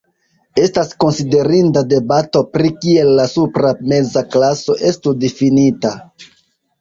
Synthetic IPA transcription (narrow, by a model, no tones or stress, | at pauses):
e̞stasko̞nside̞ɾindade̞bato̞pɾikie̞lːasupɾame̞zaklaso̞ʔe̞studefinita